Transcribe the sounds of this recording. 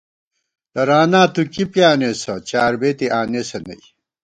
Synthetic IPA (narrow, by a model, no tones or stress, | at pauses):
t̪ɐɾaːnaːt̪ukipjaːnesɐt͡ɕaːɾbeːt̪iʔaːnesɐnɐ̰j